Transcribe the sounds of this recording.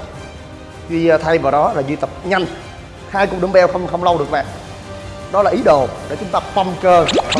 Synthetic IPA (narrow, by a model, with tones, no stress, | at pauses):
zwi˧t̪ʰa˧jvaː˨˩wɗɔ˨˦laː˨˩zwi˧t̪ə˨˩p̚ɲa˧jŋ̟ | haː˧jku˨˩ɗɨ˨˧˦ŋɓɛ˧wxə˧wŋ͡mxə˧wŋ͡mlə˧wɗɨ˨˩k̚ɓa̰ː˧˨ŋ | ɗɔ˨˦laː˨˩ʔi˨˦ɗo˨˩ɗe˧˩t͡ɕʊ˨˦ŋ͡mt̪aː˧fə˧mkəː˧˦